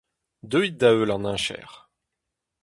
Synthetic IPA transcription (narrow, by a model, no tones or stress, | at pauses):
d̪øit̪̚d̪aølɑ̃nɛ̃ʃɛ̰ːʁ